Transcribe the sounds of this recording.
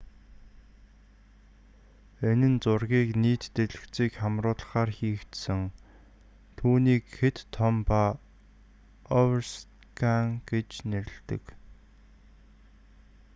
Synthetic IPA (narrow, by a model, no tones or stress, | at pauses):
enɘ̆nt͡sʊrɣʲiːkniːt̪ːeɮɘ̆kt͡siːkχamrʊːɮə̆χaːrxiːkt̪sɘ̆ŋ | t̪ʰuːniːkxet̪ʰːɔmpa | ɔwrst̪ | kʰaŋɡ̥et͡ɕneɾʲɪ̆ɬt̪ɘ̰̆k